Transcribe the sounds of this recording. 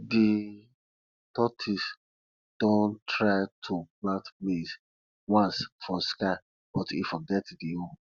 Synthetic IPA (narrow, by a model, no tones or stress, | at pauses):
di | tɔtʰis | d̥õntɹaɪtʰuplãntmis | wãnsfɔskaɪ | ɔtifɔɡɛtdio